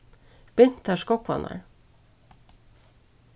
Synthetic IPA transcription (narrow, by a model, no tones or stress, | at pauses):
b̥ɪnt̪ʰæʃkɔkʋɑ̰nə̰ɹ